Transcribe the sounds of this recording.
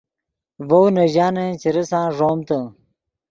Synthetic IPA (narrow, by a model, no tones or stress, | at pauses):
vownɐʑaːnet͡ɕiɾɐsãːʐoːmt̪ə